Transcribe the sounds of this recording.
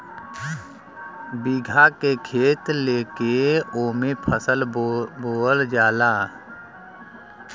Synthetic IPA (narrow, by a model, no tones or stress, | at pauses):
biɡʱakekʰeːt̪leːkeoːmẽpʰəsəlboːəld͡ʒaːlaː